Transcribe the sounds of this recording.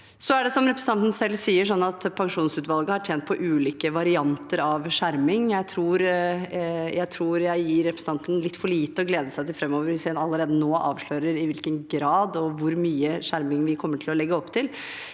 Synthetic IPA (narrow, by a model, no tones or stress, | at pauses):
sɔæɖɛsɔmɾɛpɾəs̩ɑnt̪n̩sɛlːsiːəʂɔnːɑt̪pʰɑŋʂuːnsʉːt̪ʋɑlˠɡəhɑʈʰjɛːnt̪̚pʰɔʔʉːliːkəʋɑɾɪɑnt̪əɾɑʋʂæɾmɪŋjæɪt̪ʰɾuːɾ | jæɪt̪ʰɾuːɾjæɪjiːɾːɛpɾəsn̩ɑnt̪n̩lɪt̪ːfɔɭiːt̪əɔɡleːd̪əsæɪt̪ɪlfɾɛmːoːʋəɾɪsɛnɑlːəɾeːd̪ənoːʔɑːʋʂɭøːɾəɾɪʋɪlkənɡɾɑːd̪ɔʋʊɾmyːəʂæɾmɪŋʋɪkʰɔmːəʈʰɪlɔlɛɡːəɔpːt̪ʰɪl